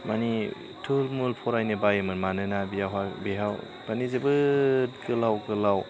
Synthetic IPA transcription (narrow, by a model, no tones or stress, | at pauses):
mani | tʰɯlmulpʰɔɾajnɯbajɯmɯnmanɯnabijaɦabeɦaw | b̥anizebɯt̚kɯlawkɯlaw